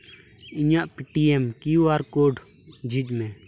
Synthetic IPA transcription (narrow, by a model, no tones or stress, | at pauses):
iɲaʔpiʈiɛmkiaɾkoɖ | d͡ʒid͡ʒmɛ̃